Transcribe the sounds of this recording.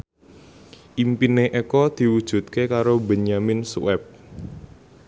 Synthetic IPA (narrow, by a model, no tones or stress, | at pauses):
ʔimpineʔekɔd̪̥i̤wud̥ʒ̥ṳt̪̚kekaɾobeɲamɪnsṵwɛp̚